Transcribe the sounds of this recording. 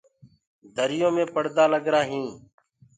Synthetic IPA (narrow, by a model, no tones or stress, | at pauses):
d̪ʱəɾɪjõːmẽːpəɽd̪aːləɡɾaːɦĩː